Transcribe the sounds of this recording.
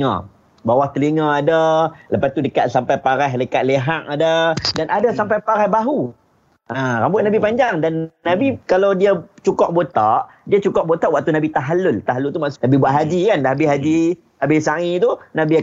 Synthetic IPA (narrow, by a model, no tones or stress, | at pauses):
ã̰ | bawaht̪əliŋãadələpast̪udəkat̪sampajpaɾajɦalikaʔ̪̚leɦaʔadədanadasampajpaɾajbaɦu | ʔaɾambʊʔ̪̚nabipaɲd͡ʒaŋdanːãbikalawdiat͡ʃukɔʔbot̪aʔ | diat͡ʃukɔʔ̚bot̪aʔwaʔ̚t̪unabit̪aɦalʊlt̪aɦalʊlt̪umaʔsʔnãbibwaʔɦad͡ʒikandaɦabɪhɦad͡ʒi | habɪhsait̪unãbi